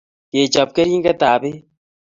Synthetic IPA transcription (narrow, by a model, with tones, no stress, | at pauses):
je˨t͡ʃa˨p̚ke˦ɾi˦ŋɡɛ˦taː˨βe˦